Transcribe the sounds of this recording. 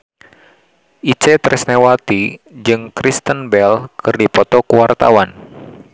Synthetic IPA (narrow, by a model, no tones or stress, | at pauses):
ʔit͡ʃɛt̪ɾɛsnɛwat̪id͡ʒɨŋkɾist̪ənbɛlkʰɨrdipɔt̪ɔkuwart̪a̰wan